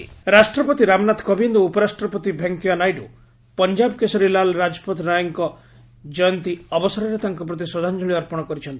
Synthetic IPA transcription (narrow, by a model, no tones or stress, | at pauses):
ɾasʈɾɔpɔt̪iɾamnat̪kɔbind̪ɔupɔɾasʈɾɔpɔt̪ibʱeŋkjɔnajɖu | pɔnd͡ʒabɔkesɔɾilalɾad͡ʒɔpɔt̪ɾajɔŋkɔ | d͡ʒɔjɔnt̪iɔbɔsɔɾɔɾet̪aŋkɔpɾɔt̪̬isɔd̪ʱand͡ʒɔɭiɔɾpɔɽ̃ɔkɔɾit͡ʃʰɔnt̪i̥